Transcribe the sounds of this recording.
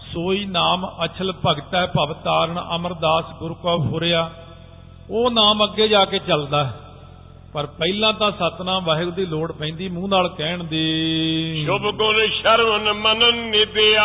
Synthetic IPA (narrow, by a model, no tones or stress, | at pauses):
soːiːnaːmət͡ʃʰəlpəɡt̪aɛpəʋt̪aːɾəɳə̰məɾd̪aːsɡʊɾkɔːpɦoːɾeːaː | oːnaːməɡːeːd͡ʒaːkeːt͡ʃəld̪aːɛ | pəɾpɛilãːt̪ãːsət̪nãːʋəːɦɪɡd̪iːloːɽpɛ̃ĩːnd̪iːmũːnaːlkɛːɳd̪iːʃʊbɡʊnʃəɾmənmənənːɪd̪eː